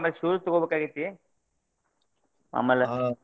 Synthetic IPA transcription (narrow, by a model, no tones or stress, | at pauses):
mɐlʃuːɾut̪ɔɡobekaːɡit̪ːi | ma̰mɐlɐ